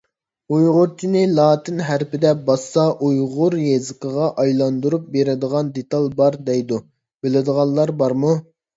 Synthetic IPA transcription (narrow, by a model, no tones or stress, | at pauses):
ujʁʊɾt͡ʃʰinɪlˠɑːt̪ʰɪnɦæɾpɪd̪ɛbɑsːɑʔujʁʊɾjezɨqəʁɑʔɑjlˠɑnd̪uɾup̚beɾɪd̪əʁɑnd̪et̪ɑlˠbɑɾd̪ɛjd̪u | b̥ɪlɪd̪əʁɑlˠːɑɾbɑɾmu